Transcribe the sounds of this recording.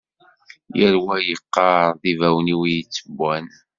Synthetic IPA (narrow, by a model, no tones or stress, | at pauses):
jəɾwæjəqːɑɾˤðivæwniwijət͡sːəbːæn